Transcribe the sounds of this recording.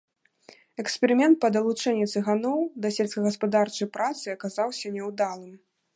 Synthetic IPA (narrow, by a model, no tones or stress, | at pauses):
ɛkspʲɛɾɨmʲɛnt̪̚pɐd̪ɐlˠut͡ʂɛnʲːit̪sɨɣanɔwd̪ɐsʲɛlʲskɐɣɐspad̪art͡ʂɐjpɾat̪sɨɐkazawsʲɐnʲɛwd̪alˠɨm